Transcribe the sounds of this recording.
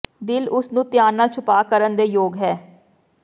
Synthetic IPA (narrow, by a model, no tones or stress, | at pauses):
d̪ɪlʊsnũːt̪ɪjaːnːãːt͡ʃʰʊpaːkəɾənd̪eːjoːɡɦɛː